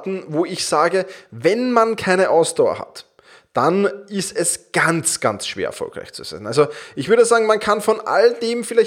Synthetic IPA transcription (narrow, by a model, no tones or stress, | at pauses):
tn̩voːɪçz̥aːɡəvɛnmankʰaɪnəʔaʊsd̥aʊɐ̰ha̰t | d̥anɪstɛsɡ̥ant͡sɡ̥a̰nt͡sʃv̥ḛɐɛɐ̰fɔ̰lkʁa̰ɪçt͡suz̥a̰ɪnʔalzoʔɪçv̥ʏɐdəzaːɡŋ̩mankʰanfɔnʔa̰ldeːmfɪlæɪ